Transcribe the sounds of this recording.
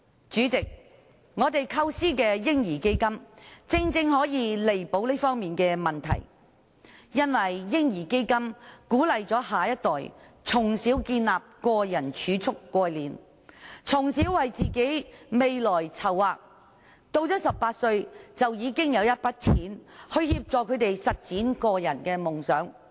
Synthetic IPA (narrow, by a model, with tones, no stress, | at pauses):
t͡ʃyː˨˥t͡sɪ˨k̚ | ŋɔː˨˧t̪e˨jkʰɐ˧wsiː˥kɛː˧jɪ˥ŋjiː˨˩ke˥jkɐ˥mt͡sɪ˧ŋt͡sɪ˧ŋɦɔː˨˥jiː˨˧le˨jpo˨˥wliː˥fɔː˥ŋmiː˨˩nkɛː˧mɐ˨nt̪ʰɐ̰˨˩j | jɐ˥nwɐ˨˩jːɪ˥ŋjiː˨˩ke˥jkɐ˥mkuː˨˥lɐ˨jt͡sɔː˨˥ɦaː˨jɐ˥t̚t̪ɔː˨j | t͡sʰʊ˨˩ŋsiː˨˥wkiː˧nlaː˨p̚kɔː˧jɐ˨˩nt͡ʃʰyː˨˥t͡sʰʊ˥kːʷɔː˧jliː˨n | t͡sʰʊ˨˩ŋsiː˨˥wːɐ˨jt͡siː˨ke˨˥jme˨jlɔː˨˩jt͡sʰɐ˨˩wːaː˨˧k̚ | t̪o˧wt͡sɔː˨˥sɐ˨p̚paː˧t̚sɵ˧ɥt͡sɐ˨wjiː˨˧kɪ˥ŋjɐ˨˧wjɐ˥t̚pɐ˥t̚t͡sʰiː˨˥nhɵ˧ɥhiː˧p̚t͡sɔː˨kʰɵ˨˧t̪e˨jsɐ˨t̚t͡siː˨˥nkɔː˧jɐ˨˩nkɛː˧mʊ˨˩ŋsœː˨˥ŋ